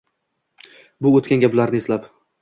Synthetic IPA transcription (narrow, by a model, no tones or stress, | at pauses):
bʊot̪kʲanɡʲaplaɾnɪeslap